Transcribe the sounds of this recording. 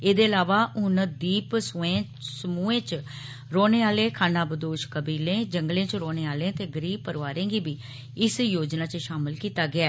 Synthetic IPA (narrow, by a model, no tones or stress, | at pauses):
eːd̪eːəlaːʋaːʊnd̪iːpsʊẽː | səmuːẽːt͡ʃ | ɾoːneːaːlẽːkʰaːnãːbəd̪oːʃkəbiːlẽːd͡ʒəŋɡlẽːt͡ʃɾoːneːaːlẽːt̪eːɡəɾiːb̚pəɾʋaːɾẽːɡiːbiː | ɪsjoːd͡ʒnaːt͡ʃəʃaːməlkiːt̪aːɡɪaː